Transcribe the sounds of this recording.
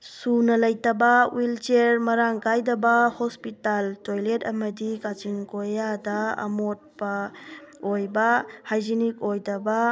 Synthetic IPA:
sunɐlɐjtɐbɐwilt͡ʃeɾmɐɾaŋkajdɐbɐhospitaltojletɐmɐdikat͡ʃiŋkojadɐɐ̰mot̚pɐ | ojbɐhajd͡ʒinik̚ojdɐbɐ

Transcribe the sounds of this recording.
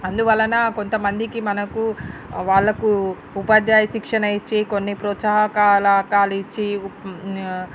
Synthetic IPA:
ɐnd̪uʋɐlːɐnɐko̞nt̪ɐmɐnd̪ikimɐnɐkuʋaːɭːɐku | upaːd̪jaːjɐʃikʂɐnɐjit͡ʃːikonːipɾɔːt̪saɦɐkaːlɐkaːlit͡ʃːi

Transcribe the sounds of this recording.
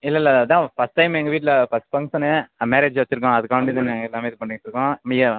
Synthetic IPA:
ɪlːɐɪlːɐɐt̪ãːfɐsʈʈɐɪmɛŋɡɐʋiːʈ̬ːlɐfɐspɐŋsɐnːemeːɾeːd͡ʒʋɐt͡ʃːɪɾɯk̬ːõɐðɯkːɐʋɐɳʈit̪ɐnːãŋɡɐɛlːaːmeːɪðɯpɐɳːɪŋt͡ʃɪɾɯkːõːmiɐ

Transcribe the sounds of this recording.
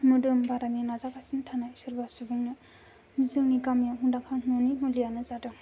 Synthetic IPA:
mudɯmbʱaɾaninazakasintʰanajsɯɾbasubɯŋnɯ | nizɯŋnikamjaɦundakʰaŋnunimulijanɯzadɯŋ

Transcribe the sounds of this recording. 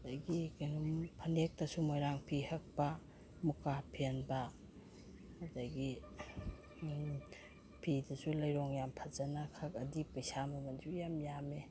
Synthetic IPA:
ɐdɐɡikanumpʰɐnek̚tɐsumojɾaŋpʰihɐk̚pɐ | mukapʰenbɐ | dɐɡi | pʰidɐsulɐjɾɔŋjampʰazɐnɐkʰɐk̚ɐdipɐjsamɐmɐnd͡ʒujamjame

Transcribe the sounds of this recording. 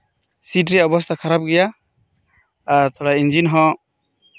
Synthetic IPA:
sitɾiɔbɔst̪ʰakʰaɾap̚ɡɛja | t̪ʰɔɽaind͡ʒinɦɔ

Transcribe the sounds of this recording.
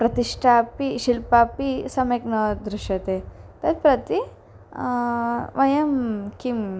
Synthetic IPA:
pɾɐt̪iʂʈʰaːpiʃilpaːpisɐmjɐknɐd̪ɾuʃjɐt̪eːt̪ɐd̪̚pɾɐt̪i | ʋɐjɐmkim

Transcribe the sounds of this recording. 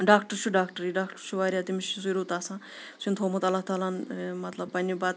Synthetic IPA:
ɖaːkʈɾt͡ʃʰuɖaːkʈəɾiɖaːkʈəɾt͡ʃʰuʋaːɾʲjat̪imiʃizuɾut̪aːsã | sʰint̪ʰoːmɐt̪ɐlːaɦt̪aːlanmɐt̪lɐbːɐnibaːt̪

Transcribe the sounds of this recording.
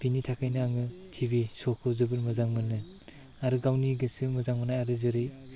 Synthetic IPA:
b̥initʰakʰajnɯaŋɯ | tʰibisɔkʰɯzɯbɯlmɯzaŋmɯnɯ | aɾɯɡawniɡɯsɯmɯzaŋmɯnaaɾɯzɯɾɯ

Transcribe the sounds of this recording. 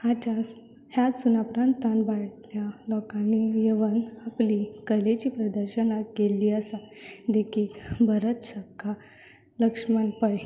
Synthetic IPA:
hat͡ɕa | hjat͡s̪sunapɾãnt̪ːanbajt̪ljalɔkanijeʋənaplikəlet͡ɕiːpɾəd̪əɾɕənaɡeliːəsad̪ekʰilbʱəɾət̪ɕəkːa | ləkʂmanpəj

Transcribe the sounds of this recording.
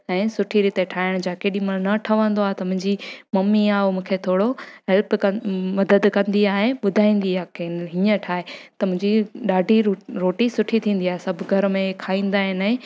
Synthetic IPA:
ɛ̃ːsʊʈʰiɾit̪eʈʰaːɪɽ̃d͡ʑaːkeːɗĩmɐnɐʈʰɐʋə̃nd̪oaːɦet̪ɐmʊ̃ɦɪ̃ɲd͡ʑimɐmːiaːomũːkʰet̪ʰoːɽoɦɛlpkɐmɐd̪əd̪kɐ̃nd̪iaːɦeɓʊd̪ʱaːĩːn̆d̪iaːkeɦiə̃ʈʰaːɦet̪ɐmʊ̃ɦɪ̃ɲd͡ʑiɗaːɖʱiɾoːʈisʊʈʰit̪ʰĩːn̆d̪iaːɦesɐbʱʊɡʱɐɾmẽkʰaːĩːn̆d̪aːɦɪnɛ̃ː

